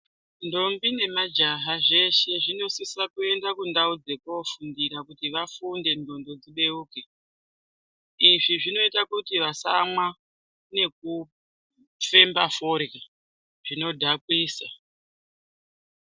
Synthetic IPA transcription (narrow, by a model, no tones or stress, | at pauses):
ndo̞mbine̞mad͡ʒaɦaʐe̞ʃe̞ʐino̞sisakue̞ndakundaud͡ze̞kofundiɾakutiʋafunde̞ndo̞ndo̞d͡ziɓe̞uːke | iʐiʐino̞itakutiʋasamwa | ne̞k̚u | fe̞mbaforki | ʐ̥ino̞dʱakwiːsa